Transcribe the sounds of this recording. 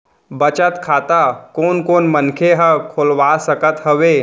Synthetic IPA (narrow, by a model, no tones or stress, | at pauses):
bət͡ʃət̪kʰaːt̪akoːnkoːnmənkʰeɦəkʰoːlwaːsəkət̪ɦəʋeː